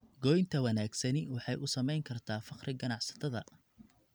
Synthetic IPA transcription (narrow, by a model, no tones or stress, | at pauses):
ɡɔːjnt̪ʰɐwɑnaːɡsɐnɪwɑħɑjʔʊsɐmɛjŋkʰɐrt̪ʰaːfɑqrɪɡɐnɑʕsɐ̥t̪ʰɐðɐ